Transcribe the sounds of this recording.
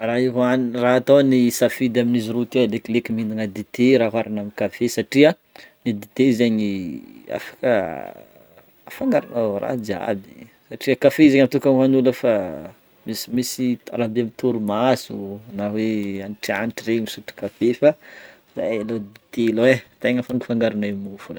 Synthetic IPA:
raiɦanraɦat̪ownisafid̪aminiziɾut̪ewleklekimind̪inəd̪it̪eɾaɦaɾanaminkafesaʈ͡ʂiə | nid̪it̪ezeɲia̰fḁkə | afaŋɡaɾanarʔa̰d͡ʒia̰bḭsaʈ͡ʂiəkafeizeɲat̪ukanɦanuləfa | misimisit̪aɾabeamit̪uɾumasuanaweaniʈ͡ʂianiʈ͡ʂiremisuʈ͡ʂi̥kafefa | za̰elod̪it̪elwet̪eɲafanifaŋɡaɾanemufune

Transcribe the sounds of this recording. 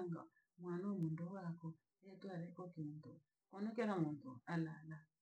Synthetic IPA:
ŋɡa̰ | mwanamundɔwakɔ | ɛtwaɾɛkɔkintu | kɔnɛkɛɾamuntualala

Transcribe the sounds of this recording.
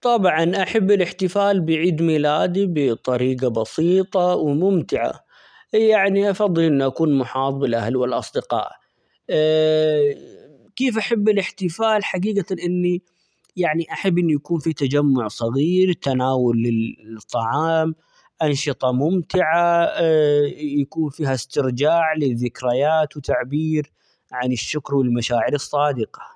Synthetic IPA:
t̪ˤɑbʕɑnʔaħabːɪlɪħt̪ɪfaːlbɪjʕiːd̪miːlaːd̪ibɪt̪ˤɑɾiːqɑbɑsiːt̪ˤɑwmʊmt̪ɪʕa̰ | jaʕniʔɑfɑðˤːɨlʔɪnːuʔakuːnmʊħɑːt̪ˤbɪlʔahalwɪlʔɑ̰sˤd̪ɪqɑ̰ːʔ | keːfʔaħabːɪlɪħt̪ɪfaːlħaɡiːɡaʔɪnːi | jaʕniʔaħabːʔɪnːijakuːnfit̪ad͡ʒamːʊʕsˤɑɣiːɾt̪ːanaːwʊlːɪt̪ˤːɑʕɑːm | ʔanʃɨt̪ˤɑmʊmt̪ɪʕa | jakuːnfiːɦast̪ɪɾd͡ʒaːʕlɪðːɪkɾajaːt̪wɪt̪aʕbiːɾ | ʕanɪʃːʊkɾwɪlmaʃaːʕɪɾɨsˤːɑːd̪ɪqɑ̥

